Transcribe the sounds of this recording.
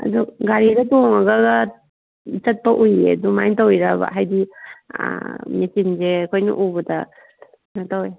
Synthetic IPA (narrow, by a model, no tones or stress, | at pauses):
ɐ̰duɡaɾiɾɐtoŋɐɡaɡɐ | t͡ʃɐt̚pɐʔujḛdumajntawiɾabɐ̰ɦajdḭ | misinzeːkʰojnɐ̰ʔubɐtɐ̰ | natawe